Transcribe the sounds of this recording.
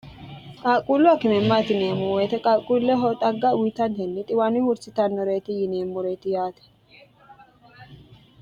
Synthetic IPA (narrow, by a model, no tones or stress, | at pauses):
kʼaːkʼulːʊɐkɪmɛmːat̪ɪneːmʊweːt̪ɛkʼaːkʼːulːɛɦɔt̪ʼɐɡːɐwit̪ɐnhɛnːɪt̪ʼɪwanɪhʊɾsɪt̪ɐnːɔɾeːt̪ɪjɪneːmːʊɾeːt̪ɪjaːt̪ɛ̥